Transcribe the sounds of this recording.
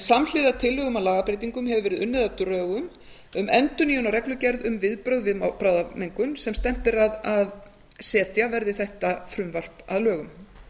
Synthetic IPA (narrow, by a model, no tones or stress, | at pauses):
saml̥ɪðat̪ʰɪlːʏɣʏmawlaːɣapɾejt̪iŋkʏmɦɛvʏvɛːɾɪðʏnːɪðat̪ʏɾœːɣʏm | ʏmʔɛnt̪ʏniːhunaɾɛklʏcɛɾðʏmvɪðpɾœɣðvɪðmapɾaːwðameŋkʏnsɛmst̪ɛm̥t̪ɪɾaðað | sɛːt̪javɛɾðɪθɛht̪afɾʏmvar̥paðlœːɣʏm